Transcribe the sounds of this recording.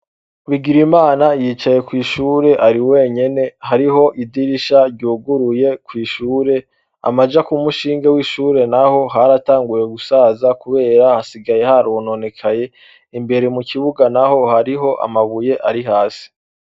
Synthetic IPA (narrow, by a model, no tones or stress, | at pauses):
βiɡiɾimaːnajiːt͡ʃaje̞kwiːʃuːɾe̞ʔaɾiwe̞ːɲe̞ne̞haɾiɦo̞ʔidiɾiʃaɾɟuːɡuɾuje̞kwiːʃuːɾe̞ | a̰mad͡ʒakumuʃiːŋɡewiːʃuːɾe̞naho̞ɦaɾataːŋɡuje̞ɡusaːzakuβe̞ːɾahasiɡaje̞haɾono̞ne̞kʰaje̞ | imbe̞ɾemuciβuɡanaho̞haɾiɦo̞ʔa̰maβuje̞ʔaɾiɦaːsi̥